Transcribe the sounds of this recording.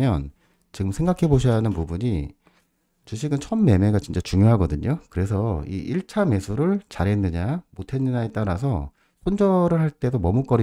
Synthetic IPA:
jʌn | t͡ɕiɡɯmsʰe̞ŋɡakʰe̞boɕ̬ʰʌanɯnpubuɲi | t͡ɕuɕʰiɡɯnt͡ɕʰʌnmːe̞meɡat͡ɕint͡ɕ͈at͡ɕuŋjoɦaɡʌdɯɲokɯɾe̞sʰʌḭʔiɭt͡ɕʰame̞sʰuɾɯɭt͡ɕaɾɦe̞nːɯɲamotʰe̞nːɯɲaet͈aɾas̬ʰʌ | sʰond͡ʑʌɾɯɭɦaɭt͈e̞domʌmuk͈ʌɾi

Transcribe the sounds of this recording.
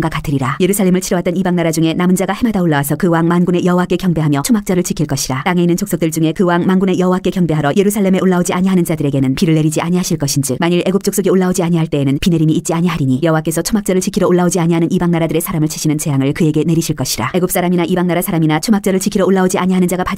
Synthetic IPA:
ŋɡwakatʰɯɾiɾaje̞ɾusʰaɭːe̞mɯɭt͡ɕʰiɾʌwat͈ʌnibaŋnaɾad͡ʑuŋe̞namund͡ʑaɡahemadaoɭːawasʰʌkɯwaŋmanɡune̞jʌɦowak͈e̞kjʌŋbe̞ɦamjʌt͡ɕʰomak̚t͡ɕ͈ʌɾɯɭt͡ɕʰikʰiɭk͈ʌɕʰiɾat͈aŋe̞inːɯnt͡ɕʰoks͈ok̚t͈ɯɭt͡ɕuŋe̞kɯwaŋmanɡune̞jʌɦowak͈e̞kjʌŋbe̞ɦaɾʌje̞ɾusʰaɭːe̞me̞ʔoɭːaod͡ʑiaɲiɦanɯnd͡ʑadɯɾe̞ɡe̞nɯnpiɾɯɭːe̞ɾid͡ʑiʔaɲiɦaɕʰiɭk͈ʌɕʰind͡ʑɯk̚maɲiɾe̞ɡop̚t͡ɕ͈oks͈oɡioɭːaod͡ʑiaɲiɦaɭt͈e̞ːnɯnpine̞ɾimiːt̚t͡ɕ͈iaɲiɦaɾiɲijʌɦowak͈e̞sʰʌt͡ɕʰomak̚t͡ɕ͈ʌɾɯɭt͡ɕikʰiɾʌoɭːaod͡ʑiaɲiɦanɯnibaŋnaɾadɯɾe̞sʰaɾamɯɭt͡ɕʰi̥ɕʰinɯnt͡ɕe̞jaŋɯɭkɯeɡe̞ne̞ɾiɕʰiɭk͈ʌɕʰi̥ɾa̰e̞ɡop̚s͈aɾaminaʔibaŋnaɾasʰaɾaminat͡ɕʰomak̚t͡ɕ͈ʌɾɯɭt͡ɕʰikʰiɾʌoɭːaod͡ʑiaɲiɦanɯnd͡ʑaɡapa

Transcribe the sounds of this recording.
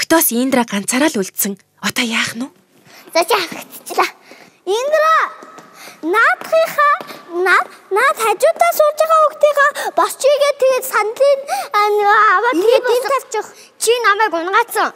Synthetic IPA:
kt̪ɔːsiːnt̪raːɢan̥t͡sʰaːɾaːɮuɮt̪sɘ̆ŋ | ɔt̪ɔːjaːχnʊː | t͡sat͡ɕiaxə̆kt̪t͡ɕɮaː | iːnt̪ra | naːt̪χiːχaːnanaːt̪χat͡ɕʊːt̪aːsʊːrt͡ɕaːʁaːukt̪iːʁaːpɔst͡ɕiɣeːt̪ʰːeɣeːt̪sanɮiːnnawaːt̪ep̪ent̪ʰar̥t͡ɕʊ̆χ | t͡ɕʰinamæːkʊnɢaːsə̆ŋ

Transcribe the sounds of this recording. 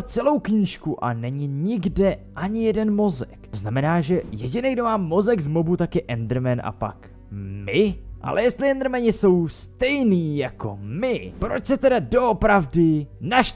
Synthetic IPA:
t͡sɛlo̞wkɲiːʃkuʔa̰nɛɲɪɲɪɡdɛʔaɲɪjɛdɛnmo̞zɛkoznamɛnaːʒɛjɛɟɪnɛɡdo̞maːmːo̞zɛɡzmobut̪akjɛʔɛnd̪ɾ̩mɛnʔa̰pa̰k | mɪʔa̰lɛ̰jɛst̪lɪɛnd̪ɾmɛɲɪso̞wst̪ɛjniːjako̞̰mɪpɾo̞t͡ʃsɛt̪ɛdado̞opɾavdɪnaʃ

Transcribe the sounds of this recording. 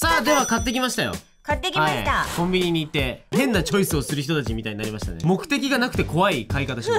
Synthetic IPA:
saːd̪eβakat̪ːe̞kʲimaɕi̥t̪ajo̞̰ | kat̪ːekʲhait̪akõ̞mbʲiɲ̟iɲ̟iːt̪ːe̞hẽ̞nːat͡ɕo̞isɨo̞sɨɾɯ̟çi̥t̪o̞t̪at͡ɕimʲit̪aiɲ̟inaɾimaɕi̥t̪a̰nemo̞kɯ̟̥t̪e̞kʲiɡanakɯ̟̥t̪e̞kʰo̞βaikaikat̪aɕia

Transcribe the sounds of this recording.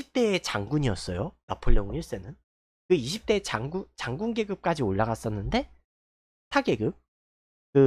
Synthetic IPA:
iɕʰip̚t͈e̞ːt͡ɕaŋɡuɲiʌs͈ʌjonapʰɯʎːjʌŋiɭs͈e̞nɯn | kɯiɕʰip̚t͈e̞t͡ɕaŋɡut͡ɕaŋɡunɡe̞ɡɯp̚k͈ad͡ʑioɭːaɡas͈ʌnːɯnde̞ | tʰaɡeɡɯp̚ | kɯ

